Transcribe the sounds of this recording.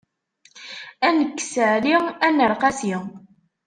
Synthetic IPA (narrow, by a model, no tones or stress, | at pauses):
ænəkːsəʕliʁænːəɾˤqɑsi